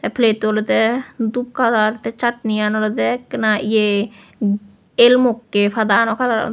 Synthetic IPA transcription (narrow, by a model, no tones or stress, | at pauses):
t̪ɛpʰlet̪olet̪ɛd̪up̚kalaɾt̪ɛt͡ʃaʈnijanolet̪ɛknaʔie | elmokːefʰad̪anɔkʰad̪a